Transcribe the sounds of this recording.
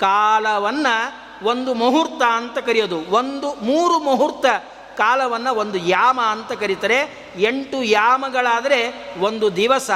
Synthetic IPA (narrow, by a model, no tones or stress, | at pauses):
kaːlɐʋɐnːɐ | ʋo̞nd̪umɐɦuɾt̪ɐːnt̪ɐkɐɾijod̪uʋond̪umuːɾumɐɦuɾt̪ɐ | kaːlɐʋɐnːɐʋo̞nd̪ujaːmɐːnt̪ɐkɐɾit̪ɐɾe | e̞ɳʈujaːmɐɡɐɭaːd̪ɐɾe̞ʋo̞nd̪ud̪iʋɐsɐ